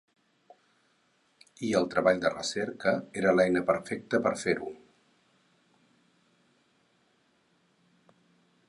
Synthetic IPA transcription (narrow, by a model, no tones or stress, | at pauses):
iəlˠt̪ɾəβaʎd̪ərə̰sɛɾkəeɾəlɛjnəpəɾfɛk̚t̪əpəɾfeɾu